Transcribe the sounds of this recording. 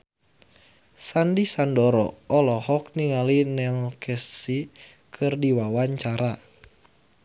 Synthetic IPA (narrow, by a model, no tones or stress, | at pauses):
sandisandɔɾɔ̰ɔlɔhɔk̚niŋalinɛlkʰɛssi | kʰɨrdiwawaɲt͡ʃaɾa